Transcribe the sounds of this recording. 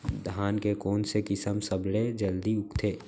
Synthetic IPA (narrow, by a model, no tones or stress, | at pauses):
d̪ʱaːnkekoːnsekɪsəmsəbɽed͡ʒəld̪iʊkt̪ʰeː